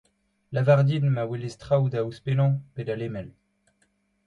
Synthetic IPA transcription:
lavaʁd̪inmawelest̪χawd̪auspelɑ̃ped̪alemɛl

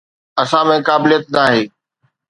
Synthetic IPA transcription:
ɐsãmẽkaːbɪlijət̪̚naːɦeː

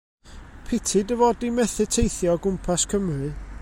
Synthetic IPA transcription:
pʰɪtʰɨdəvɔdimɛθɨtʰejθjɔɡʊmpʰaskʰəmrɨ

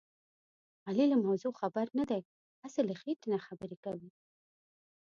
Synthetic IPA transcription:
alilamawzoxabaɾnad̪aj | hasaləxeʈnaxabəɾekawi

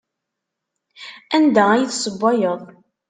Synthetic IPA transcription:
ænd̪ææjiθsˤəbːɑjəðˤ

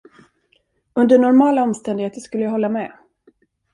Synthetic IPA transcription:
ɵnd̪əɳɔɾmɑːlaɔmst̪ɛnd̪ɪɡheːt̪əʂkɵlːəjahɔlːamɛ

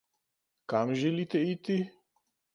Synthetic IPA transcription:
kamʒɛlit̪ɛit̪i

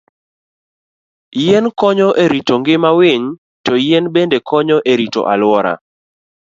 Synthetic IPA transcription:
jɛnkɔɲɔʔeɾitoŋɡɪmawɪɲ | tɔjɛnbendekʰɔɲɔʔeɾito̰ʔalwɔɾa̰

